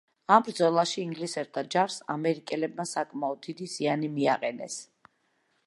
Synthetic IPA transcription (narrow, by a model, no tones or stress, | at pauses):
ambɾd̪zɔlˠaʃiːŋɡlisɛɾt̪ʰad͡ʒaɾsa̰mɛɾikʼɛlɛbmasakʼmaɔd̪̚d̪id̪izianimiaqʼɛnɛs